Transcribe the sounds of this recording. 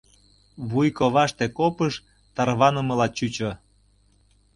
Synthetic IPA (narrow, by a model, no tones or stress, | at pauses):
βujkoβɑʃt̪ekopəʃ | t̪ɑrβɑnəmə̆lɑt͡ɕyt͡ɕo